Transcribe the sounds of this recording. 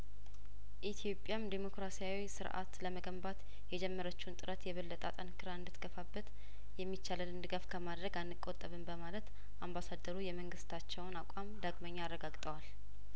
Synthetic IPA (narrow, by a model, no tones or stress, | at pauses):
ʔit̪ʰijo̞pʼːjamd̪emo̞kɾasijawisɨ̰ɾʔa̰t̪ləməɡəmbat̪ | jɛd͡ʒɛmːəɾət͡ʃːnt̪ʼɨɾət̪jɛβɨlːət̪ʼa̰t̪ʼənkʰɨɾaɨnd̪ɨt̪ɡ̥əfabːət̪ | jɛmːit͡ʃːaləlɨnd̪ɨɡafkʰəmad̪ɾəɡanːɨkʼːot̪ʼːəβɨnbəmalət̪ | ʔambasad̪ːəɾujɛməŋɡɨst̪ʰat͡ʃːɛwnakʷʼamd̪aɡməɲːaarːəɡaɡt̪ʼəwal